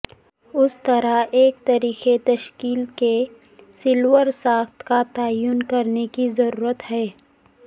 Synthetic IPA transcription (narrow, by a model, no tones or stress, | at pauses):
ʊst̪ɐɾaeːk̚t̪aɾiːxet̪ɐʃkiːlke | sɪlwəɾsaːxt̪kat̪aːjʊnkɐɾnekizɐɾuːɾət̪ɦɛː